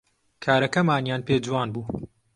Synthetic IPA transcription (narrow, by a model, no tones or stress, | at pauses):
kʰaːɾɐkɐmaːnjaːnpeːd͡ʒuwaːnbuː